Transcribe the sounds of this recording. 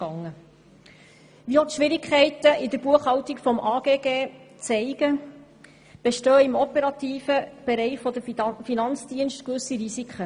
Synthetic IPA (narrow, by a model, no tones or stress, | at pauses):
ɑŋːə | ʋiɔtʃʋɪɾɪkʰχɛɪtəʔidəɾb̥uəχhɑwtikfɔmʔɑːɡ̥eːɡeːt͡sɛɪɡ̥ə | b̥eʃtœːɪmɔpɛɾɑt̪iːfəb̥eɾɛɪχfɔd̪əfinɑnt͡sd̥iənʃtkʋɵsiɾisikʰə